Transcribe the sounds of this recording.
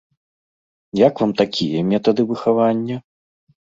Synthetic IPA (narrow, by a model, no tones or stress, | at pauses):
jakvamt̪akʲijɐmʲɛt̪ɐd̪ɨvɨxavanʲːɐ